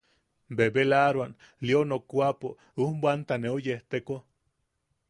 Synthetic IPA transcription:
bebelaɾwan | lionokʷapo | umbwant̪aneojeht̪eko

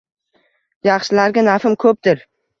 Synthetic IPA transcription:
jɑχʃɪlaɾɡʲanafɪmkʰɵp̚t̪ɪɾ

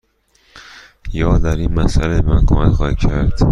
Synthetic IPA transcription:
jɒːd̪æɾiːnmæsʔæleemænkʰo̰mæcxɒːhicʰæɾd̪̥

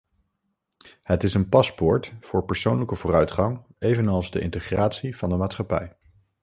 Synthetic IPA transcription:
ɦətɪsənpɑspʊɹtfʊːɹpəɹsownləkəvʊːrœɥtχɑŋejvənɑlˠzdəʔɪ̰ntəχraːtsiv̥ɑndəmaːtsχɑpɛ̰j

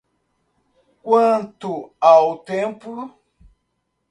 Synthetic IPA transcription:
kwãntuawt̪empu

